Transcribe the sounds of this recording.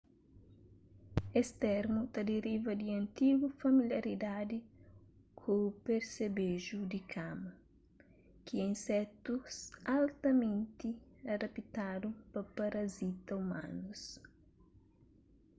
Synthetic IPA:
est̪ɛɾmut̪ɐd̪eɾivɐd̪iɐ̃nt̪iɡufɐmiljɐɾid̪ad̪ɪ | kʰopeɾsebeʒud̪ikʰamɐ | kiɛ̃sɛt̪usalt̪ɐmẽnt̪iɐd̪ɐpit̪ad̪upɐpɐɾɐzit̪ɐumã̰nus

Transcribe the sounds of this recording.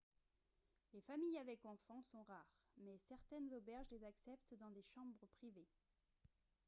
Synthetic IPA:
lefamijavɛkɑ̃fɑ̃sɔ̃ʁaːʁmɛsɛʁt̪ɛnzobɛʁʒlezaksɛpt̪d̪ɑ̃d̪eʃɑ̃bʁəpχive

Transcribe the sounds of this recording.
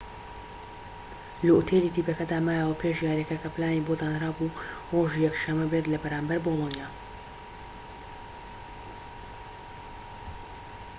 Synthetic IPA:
lɐut̪ʰeːliːt̪ʰiːpɐkɐd̪aːmaːjaːwɐpʰeʃjaːɾjɛkɐkɐplaːniːbod̪aːnhɾaːbu | roːʒiːjɛkʃɐmːɐbet̪lɐbɐɾaːmbɐɾboːlˠonjaː

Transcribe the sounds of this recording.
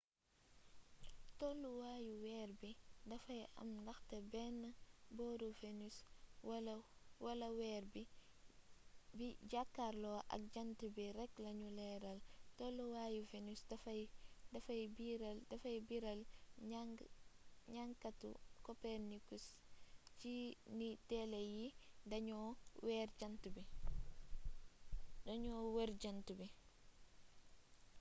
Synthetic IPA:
tolːuwaːjuwɛrbidɐfɐjʔɐ̰mndɐxtebɛnːɐbɔɾufenuswlwɐlɐwɛːɾbi | biɟakːarlɔːʔɐ̰k̚ɟɐntibiɾɛklɐɲulɛːɾɐltoluwajufenisdɐfdafajbiɾaldafajbiɾala | ɲaŋkatṵkopeɾnikus | t͡ʃinitɛlejindɐɲowɛɾɟantubi | daɲoːweɾd͡ʒantubi

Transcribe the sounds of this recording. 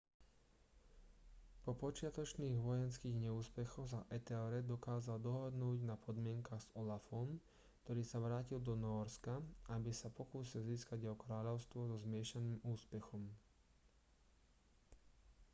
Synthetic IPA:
pɔpɔt͡ʃɪat̪ɔt͡ʃniːɣʋɔjɛnskiːɣɲɛuːspɛxɔs̬aʔɛt̪ɛɔɾɛd̪ɔkaːzald̪ɔɦɔd̪nuːɟnapʰɔd̪mɪɛŋkaːɣz̥ɔlafɔm | kt̪ɔɾiːsaʋɾaːcild̪ɔnɔːɾskaabisapɔkuːsilziːskaɟɔkɾaːʎɔʊst̪ʋɔzɔzmɪɛʃaniːmuːspɛxɔm

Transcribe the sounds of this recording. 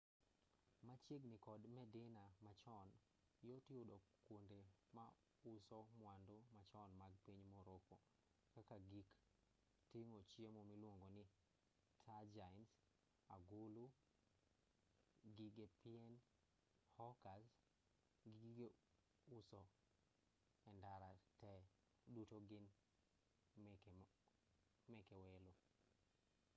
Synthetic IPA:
mat͡ʃeɡnɪkɔdmɛdɪnamat͡ʃɔn | jotɪodɔkwondema | ʊsɔmwandomat͡ʃɔnmaɡ̚piɲmoɾoko̰ | kakaɡik | tɪŋot͡ʃjemomilwoŋɡonɪ | tʰad͡ʒaɪns | a̰ɡulu | ɡiɡepiɛn | hɔkas | ɡiɡɡe | usɔ | ɛndaɾatɛ | dutoɡɪn | mɛkɛwɛlo

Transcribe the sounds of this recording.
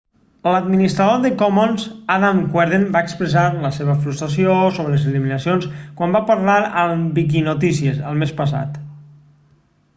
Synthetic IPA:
ləd̪minist̪ɾaðoðəkɔmɔnzaðamkwɛɾðembaekspɾəsaɾləseβəfɾust̪ɾasiosoβələzəliminəsionskwambapəɾlaɾəmbik̬inot̪̬isiəzə̰lˠmespəs̬a̰t̪

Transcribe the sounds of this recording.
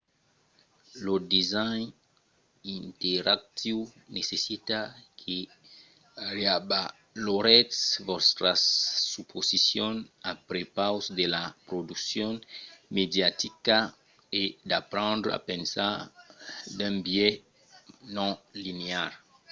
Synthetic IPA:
lod̪izajn | int̪eɾak̚t̪ʰiwnesesit̪akʰe | ɾeaba | loɾɛtsvɔst̪ɾassupʰozisjɔnapɾepawsd̪elapɾod̪uksjɔ̃nmed̪jat̪ika | ed̪apɾɑ̃nd̪ɾa̰pɛ̃nsaɾ | d̪ɛ̃mbje | nɔ̃lineaɾ

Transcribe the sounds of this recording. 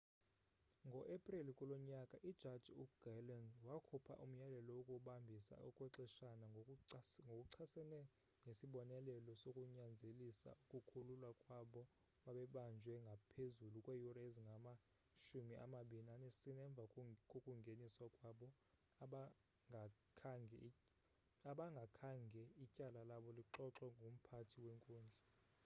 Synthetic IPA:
ŋɡʱɔʔepʼrilikʼulɔɲakʼaʔid̥ʒ̥ʱad̥d͡ʒʱuɡ̥alandwakʰupʰa̰ʔum̩jalɛlɔwokʼuɓambʱisa̰ukʼwɛǀɛʃana | ŋɡʱokʼuǀʰasɛnɛ | ŋesiɓɔnɛlɛlɔsokʼuɲand͡zʱelisa̰ukʼukʰululwakʼwaɓɔ | ɓaɓɛɓand͡ʒʱwɛŋɡʱapʰezulukʼwejuraeziŋɡʱama | ʃumiʔa̰maɓinanesinɛɱb̪vʱakʼokʼuŋɡʱeniswakʼwaɓɔ | aɓa | ŋʱa | kʰaŋʱɛ | aɓaŋɡʱakʰaŋɡʱɛicʼalalaɓɔliǁɔǁɛŋɡʱum̩pʰatʰiweŋkʼuːnd͡ɮʱɛ

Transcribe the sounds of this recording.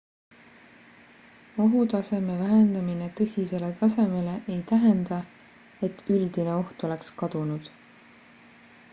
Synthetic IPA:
oɦut̪ɑse̞me̞væɦe̞nd̪̥ɑmine̞t̪ɤsʲise̞le̞t̪ɑse̞me̞le̞ʔejt̪æɦe̞nd̪̥ɑ | e̞t̪ːyld̪̥ine̞o̞ht̪o̞le̞kskɑd̪̥unud̪̥

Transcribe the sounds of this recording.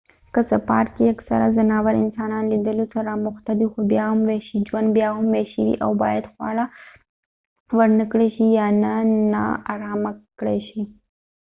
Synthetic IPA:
kəsapɑ̰ʈkeaksa̰ɾazanɑwaɾɪ̰nsɑnɑnlid̪əlot̪aɾamʊxt̪ad̪ixobjɑɦamweʃid͡ʒwand̪bjɑɦamweʃiwḭʔawbɑ̰jad̪xwɑ̰ɽa | wəɾnəkɽeʃijɑnana̰a̰ɾɑmakɽeʃi

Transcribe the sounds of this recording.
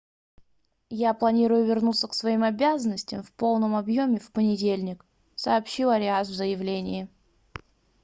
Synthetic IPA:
japlˠɐnʲiɾʊjʊvʲɪrnut̪səksvɐimɐbʲazənːəsʲtʲɪɪmfpo̞lˠnəmɐbjomʲɪfpənʲɪdʲelʲnʲɪk | sɐːpɕːilˠɐɾʲɪasvzəjɪvlʲenʲɪjɪ

